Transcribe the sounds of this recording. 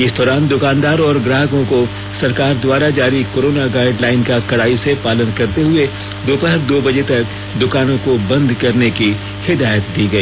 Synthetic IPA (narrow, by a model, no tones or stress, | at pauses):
ɪsd̪ɔːɾaːnd̪ʊkãːnd̪aːɾɔːɾɡɾaːɦəkõko | sɐɾkaːɾd̪waːɾad͡ʒaːɾikoːɾoːnaɡaːɪɖlaːɪnkakɐɽaːisepaːlənkɐɾt̪eɦʊe | d̪opəɦəɾd̪oːbɐd͡ʒet̪ɐk̚ | d̪ʊkaːnõkobɐ̃nd̪kɐɾneki | hɪd̪aːjət̪̚d̪iɡɐiː